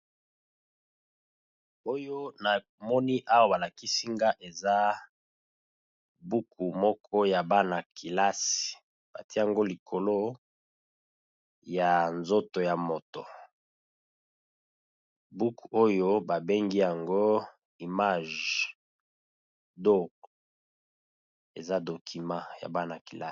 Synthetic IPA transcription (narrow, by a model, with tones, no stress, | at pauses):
o˦jo˦na˨ | mɔ˦ni˦ʔa˦wa˦˨ba˨la˨ki˦si˦ŋɡa˦ʔe˨za˦ | bu˦ku˨mɔ˦kʰɔ˦ja˨ba˦na˨kʰi˨la˦si̥˨ | b̥a̰˨ti˦a˨ŋɡo˦li˨kʰo˨lo˦ | ja˨nzo˦to˨ja˨mo˨to̰˨ | bu˦ku˨o˦jo˦ba˨be˦ŋɡi˦ja˨ŋɡo˦ | i˨ma˦ʒ | do˦k | ḛ˨za˦do˨kʰi˨mã˦˨ja̰˨ba˦na˨ki˨la˦